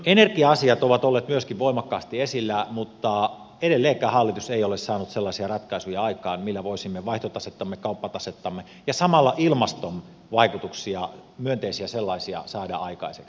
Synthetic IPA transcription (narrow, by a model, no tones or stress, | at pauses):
enerkiɑɑsiɑt̪oʋɑt̪olːeːt̪myøskiʋʋoˑimɑkːɑːst̪iesilːæmut̪ːɑ | edelːeːkːˑæːhɑlːit̪useijolessɑːnut̪selːɑisiɑrɑt̪kɑisujɑɑikˑɑːnmilːæʋoˑisimːeʋɑˑiht̪ot̪ɑset̪ːɑmːekɑupːɑt̪ɑset̪ːɑmːe | jɑsɑmɑlːɑʔilmɑst̪on | ʋɑikut̪uksiɑ̰myønt̪eisiæselːɑisiɑ̰sɑːdɑ̰ɑikɑ̰iseks